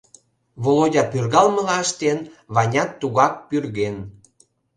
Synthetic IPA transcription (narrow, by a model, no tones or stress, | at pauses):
βolodʲɑpyrɣɑlməlɑəʃt̪enβɑnʲɑt̪ːuɣɑk̚pyrɣen